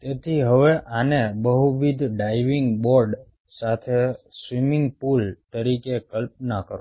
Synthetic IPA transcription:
t̪et̪ʰiɦəʋeʔanebəɦuʋid̪ʱɖaiʋiŋɡboɾɖ | sat̪ʰesʋimiŋɡpult̪əɾikekəlp̚nakəɾũ

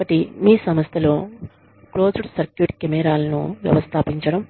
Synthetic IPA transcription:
kɐʈimiːsɐmɐst̪ʰɐloː | kloːd͡ʒuɽsɐɾkjuːʈkemɛːɾaːlɐnṵʋjɐ̰ʋɐst̪ʰaːpiɲt͡ʃɐɽɐm

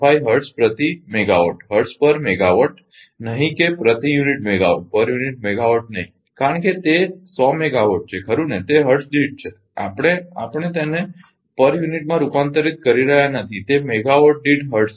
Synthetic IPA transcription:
ajɦəɾspɾət̪imeɡaʋəʈɦəɾspəɾmeɡaʋəʈ | nəɦĩkepɾət̪ijuniʈmeɡaʋəʈ̚pəɾjuniʈ̚meɡaʋəʈ̚nəɦĩ | kaɾəɳket̪esɔmeɡaʋəʈ̚t͡ʃʰekʰəɾũnet̪eɦəɾʈsɖiɖ̚t͡ʃʰe | a̰pəɽ̃eapəɽ̃et̪ene | pəɾjuniʈmãɾupant̪əɾit̪̚kəɾiɾəɦjanət̪ʰit̪emeɡaʋəʈ̚ɖiʈɦəɾʈs

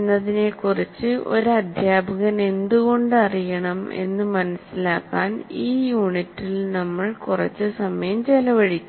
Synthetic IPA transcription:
nːɐðinekurit͡ɕːɨʔo̞̰ɾuɐd̪ʱjaːbʱɐɣɐne̞nd̪uɣo̞ɳɖɨɐrijɐɳɐme̞̰nːɨmɐnɐsːilaːkːaːniːjuːɳitːilnɐmːɐɭkurɐ̰t͡ɕːɨsɐmɐjɐmt͡ɕelɐʋɐɻit͡ɕː

